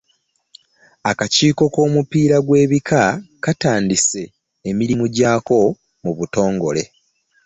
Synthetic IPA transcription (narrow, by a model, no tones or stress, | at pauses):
akaciːko̞ko̞ːmupiːɾaɡwe̞ːβikʰakataːndise̞ː | miɾimuɟaːko̞ | muβuto̞ːŋɡo̞le̞̰